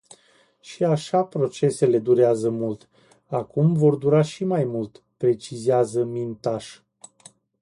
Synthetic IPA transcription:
ʃiaʃapɾo̞t͡ʃe̞se̞le̞d̪uɾeazəmult̪ | akumvo̞rd̪uɾaʃimajmult̪ | pɾe̞t͡ʃizeazəmint̪aʃ

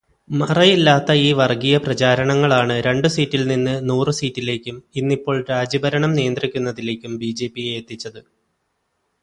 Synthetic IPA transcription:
mɐrɐjilːaːt̪ːɐiːʋɐrɡijɐprɐt͡ɕaːɾɐɳɐŋːɐɭaːɳɨɾe̞ɳɖɨsiːtːilninːɨnuːrɨsiːtːile̞ːkʲːuminːipːo̞ːɭɾaːd͡ʑɐbɐɾɐɳɐmnijɐnd̪rikʲːunːɐðile̞ːkʲːumbiːd͡ʑe̞ːpːijeːt̪ːit͡ɕːɐðɨ

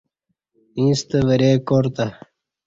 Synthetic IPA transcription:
ĩːst̪əʋɐɾeːkoːɾt̪a

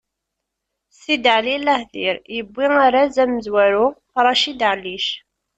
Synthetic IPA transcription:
sid̪ʕlilæhðiɾjəbːiŋaɾazæmːəzwæɾufɾˤɑʃid̪ʕliʃ

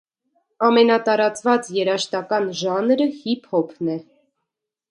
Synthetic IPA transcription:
ɑmɛnɑt̪ɑɾɑt͡svɑt͡sjɛɾɑʃt̪ɑkɑnʒɑnɾəhipʰɔpʰnɛ

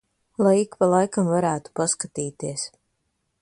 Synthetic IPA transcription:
lˠajikpalˠajkamvaɾæːt̪u̥paskat̪iːt̪iɛs

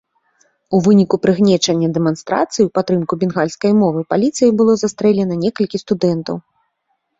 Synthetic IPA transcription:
uvɨnʲikupɾɨɣnʲɛt͡ʂɐnʲːɐd̪ɛmanst̪ɾa̰t̪sɨjiwpat̪ːɾɨmkubʲɛnɣalʲskɐjmɔvɨpalʲit̪sɨjɐbɨlˠɔzast̪ɾɛlʲɛnɐnʲɛkɐlʲkʲist̪ud̪ɛnt̪ɐ̰w

